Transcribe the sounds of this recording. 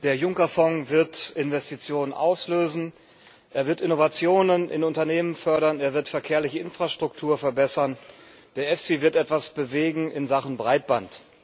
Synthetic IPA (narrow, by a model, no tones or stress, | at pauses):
d̥eːɐjʊŋkɐfɔŋvɪɐtɪnvɛstit͡sjoːnənʔaʊsløːzn̩ | ʔeːɐvɪɐtɪnovat͡sjoːnənʔɪ̰nʊntɐneːmənfœɐɾɐneːɐvɪɐtfɛɐkʰeːɐlɪçəɪnfʁ̥aʃtʁ̥ʊktʰuːɐfɛɐbɛsɐn | d̥eːɐɛfsivɪɐtʔɛtv̥asb̥əveːɡŋ̩ɪnzaχn̩bʁaɪt̚b̥ant